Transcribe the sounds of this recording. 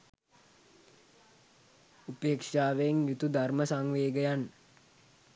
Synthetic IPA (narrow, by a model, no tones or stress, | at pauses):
upeːkʂaːʋeeŋjut̪ud̪ʱarməsaŋʋeːɡəjanːə